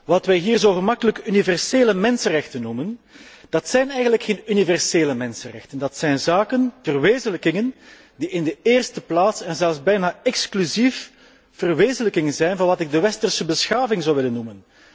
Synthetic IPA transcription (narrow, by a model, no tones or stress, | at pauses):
ʋɑtʋɛjɦiːrzoːɣəmɑkələkəynivɛrseːləmɛnsənrɛxtənːumənd̥ɑtsɛjnɛjɣənləkxeːnynivɛrseːləmɛnsənrɛ̰xtəndɑtsɛjnzaːkənvərʋeːzənləkɪŋən | diɪndəeːrstəplaːtsɛnzɛlˠzbɛjnaːɛksklyzif | v̥ərʋeːzənləkɪŋənzɛjnvɑnʋɑtɪɡ̚dəʋɛstərsəbəsxaːvɪŋzɑwʋɪlənːumən